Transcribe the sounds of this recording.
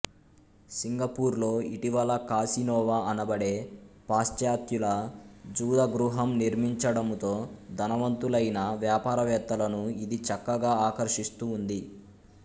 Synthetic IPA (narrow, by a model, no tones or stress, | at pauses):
siŋɡɐpuːɾlo̞ːiʈiʋɐlɐkaːsinɔːʋaɐnɐbɐɽe̞ːpaːst͡ʃjaːt̪julɐd͡ʒuːd̪ɐɡɾuɦɐmniɾmiɲt͡ʃɐɽɐmt̪o̞ːd̪ʱɐnɐʋɐnt̪ulɐjnɐʋjaːpaːɾɐʋɛːt̪ːɐlɐnuid̪it͡ʃɐkːɐɡaːaːkɐɾʂist̪uːnd̪i